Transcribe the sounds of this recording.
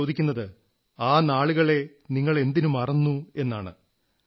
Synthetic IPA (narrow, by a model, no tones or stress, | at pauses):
oːd̪ikʲːunːɐðɨ | aːnaːɭuɣɐɭe̞ | niŋːɐɭe̞nd̪inumɐrɐnːue̞nːaːɳɨ̰